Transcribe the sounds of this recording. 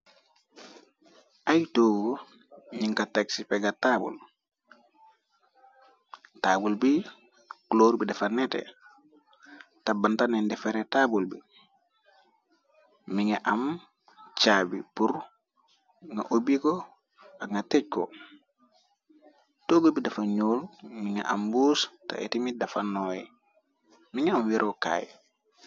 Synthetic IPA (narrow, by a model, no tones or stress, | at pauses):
ʔajtoːɡo | ɲiŋkataksipeɡatabṵl | taːbulbi | kloːɾbidɛfanːetḛ | tabantanendɛfeɾetaːbulbi | miŋaʔam | t͡ʃaːbipuɾ | ŋa̰ʔobikɔ | aŋɡatec̚kɔ̰ | toːbulbidafaɲoːlmiŋa̰ʔa̰mbuːsta̰ʔḛtimidafanojɛ | miŋaamwiɾʔoka̰ːj